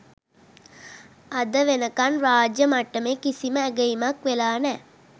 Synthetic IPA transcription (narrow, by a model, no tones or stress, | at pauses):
ɐd̪əʋenəkanraːd͡ʒjəmaʈːəmekisiməːɡəjimakʋelaːnɛː